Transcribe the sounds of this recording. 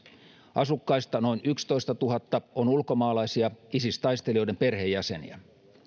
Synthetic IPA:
ɑsukːɑist̪ɑno̞inʔykst̪o̞ist̪ɑt̪uɦɑt̪ːɑonulkomɑːlɑisiɑisist̪ɑist̪eliojdemperhejːæsenḭæ

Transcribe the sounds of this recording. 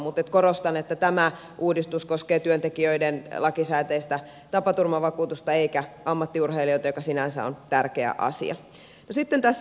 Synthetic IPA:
mut̪et̪koɾost̪ɑnet̪ːæt̪æmæ | ʔuːdist̪uskoskeːt̪yønt̪ekiøidenlɑkisæːt̪eist̪æ | t̪ɑpɑt̪urmɑʋɑkuːt̪ust̪ɑeikæɑmːɑt̪ːiurheiliojt̪ɑjokɑsinænsæ̰o̰nt̪ærkeæ̰ʔɑ̰sḭɑ̰ | nosit̪ːent̪æsː

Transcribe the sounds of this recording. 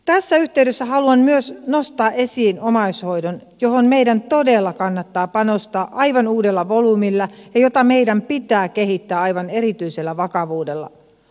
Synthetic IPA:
t̪æsːæyht̪e̞yɥdesːæɦɑluɑnmyøsno̞st̪ɑːʔe̞siːnomɑusho̞jdon | jo̞ɦonme̞jdænt̪o̞de̞lːɑkɑnːɑt̪ːɑːpɑnost̪ɑːʔɑjʋɑnuːdelːɑʋolumilːæjɑjo̞t̪ɑme̞jdæmpit̪æːke̞ɦit̪ːæːɑjʋɑne̞ɾit̪yise̞lːæʋɑkɑʋuːde̞lːɑ̰

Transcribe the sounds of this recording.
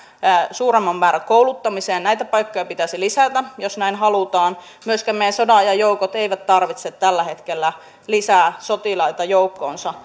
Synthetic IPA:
suːremːɑmːæːɾækoulut̪ːɑmiseːnnæit̪æpɑjkːojɑpit̪æsilisæt̪æjosnæinɦɑlut̪ɑːn | myøskæmejæsodɑjɑjowkot̪eiʋæt̪t̪ːɑrʋit̪set̪t̪ːælːæhe̞t̪kelːæ | lisæːsot̪ilɑit̪ɑjoukːo̰ːnsɑ

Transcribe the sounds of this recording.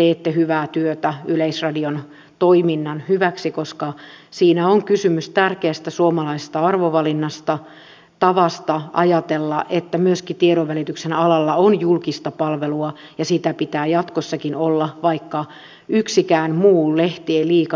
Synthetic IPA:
t̪eːt̪ːehyʋæːt̪yøt̪æyleisrɑdion | t̪oiminːɑnhyʋæksikoskɑ | siːnæoŋkysymyst̪ærkeæst̪æsuomɑlɑisest̪ɑɑrʋoʋɑlinːɑst̪ɑ | t̪ɑʋɑst̪ɑɑjɑt̪elːɑʔet̪ːæmyøskit̪ieɾoʋʋælit̪yksenɑlɑlːɑonjulkist̪ɑpɑlʋeluɑ | jɑsit̪æpit̪æːjɑt̪kosːɑkinolːɑʋɑikːɑ | yksikæːnmuːlleht̪ieliːkɑ

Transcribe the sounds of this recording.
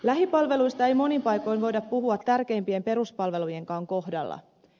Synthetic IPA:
læɦipɑlʋe̞lujst̪ɑe̞jmo̞nimpɑjko̞jnʋo̞jdɑpːuɦuɑt̪ːærk̟e̞ːmpie̞mpe̞ɾuspɑlʋe̞luje̞ŋkɑːŋko̞ɦdɑ̰lːɑ̰

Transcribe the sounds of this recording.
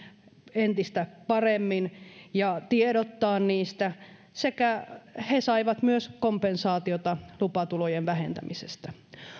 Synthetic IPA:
ent̪ist̪æpɑremːinjɑt̪ieɾot̪ːɑːnniːst̪æ | sekæhesɑiʋɑt̪myøskompensɑːt̪iot̪ɑlupɑt̪ulojeʋʋæhḛnt̪æ̰misḛst̪æ

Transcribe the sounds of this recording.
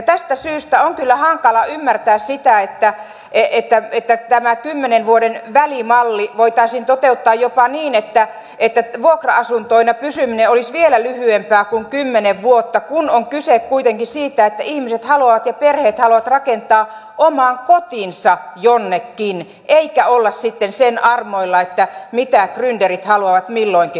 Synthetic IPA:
ɑt̪æst̪æsyːst̪æoŋkylːæhɑŋkɑlɑymːært̪æːssit̪æet̪ːæ | eet̪ːæet̪ːæt̪æmækymːenenʋuodenʋælimɑlːiʋoit̪ɑisint̪ot̪eut̪ːɑːjjopɑniːnet̪ːæ | et̪ːæʋuokrɑɑsunt̪oinɑpysymineolisʋielælyhyempæːkuŋkymːeneʋʋuot̪ːɑkunoŋkysekkuit̪eŋkisiːt̪æet̪ːæihmiset̪hɑluɑʋɑt̪jɑperheːt̪hɑluɑʋɑt̪rɑkent̪ɑː | ʔomɑːŋkot̪insɑjonːekːin | ʔeikæolːɑssit̪ːensenɑrmoilːɑet̪ːæmit̪ækrynderit̪hɑluɑʋɑt̪milːoiŋki

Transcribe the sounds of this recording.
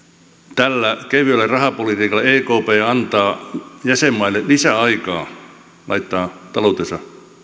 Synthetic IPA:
t̪ælːækeʋølːærɑhɑpolit̪iːkɑlːɑeːkoːpeːɑnt̪ɑːjæsemːɑilːelisæɑikɑː | lʔɑ̰it̪ːɑːt̪ɑlout̪esɑ

